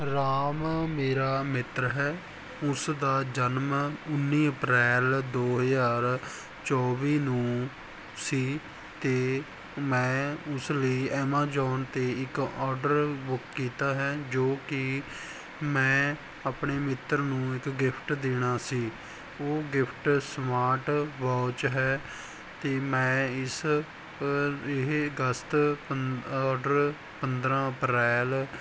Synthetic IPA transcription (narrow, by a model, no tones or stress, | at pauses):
ɾaːmmeːɾaːmɪt̪ɾɦɛː | ʊsd̪aːd͡ʒənmʊnːiːəpɾɛːld̪oːɦəzaːɾ | t͡ʃɔːʋiːnũː | siː | t̪eː | mɛ̃ːʊsləiːɛːmaːd͡ʒɔːnt̪eːɪkɔːɾɖəɾbʊkːiːt̪aːɦɛːd͡ʒoːkɪ | mɛ̃ː | aːpɳeːmɪt̪ːəɾnũːɪkɡɪpʰʈd̪eːɽ̃aːsiː | oːɡɪpʰʈsmaːɾʈʋaːt͡ʃɦɛː | t̪eːmɛ̃ːɪs | ɪɦɡəst̪ | ɔːɖəɾ | pənd̪ɾãːəpɾɛːl